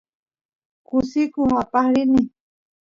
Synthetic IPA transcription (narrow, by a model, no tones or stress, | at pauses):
kʊsɪkʊapaχɾɪnɪ